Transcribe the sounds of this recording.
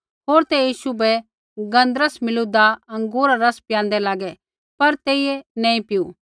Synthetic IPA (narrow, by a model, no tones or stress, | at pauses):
ɦoːɾt̪ɛjiːʃubɛ | ɡɐ̃nd̪ɾəsmɪlud̪aɐ̃ŋɡuːɾaɾɐspɪjãːnd̪ɛlaːɡɛ | pɐɾt̪eːiɛnɛ̃ːĩpɪju